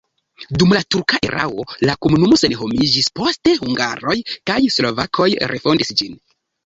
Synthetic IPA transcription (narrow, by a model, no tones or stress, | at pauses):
dumlatuɾkaʔeɾʔa̰wo̞lako̞munumo̞se̞nɦo̞mid͡ʒispo̞ste̞huŋɡa̰ɾo̞jkajslo̞vakʰo̞jɾe̞̰fo̞ndisd͡ʒin